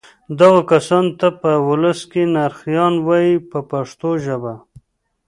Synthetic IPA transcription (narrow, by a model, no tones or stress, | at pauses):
d̪aɣakasɑnt̪apəwʊləskenaɾxjɑnwɑjipəpaʂt̪oʒəba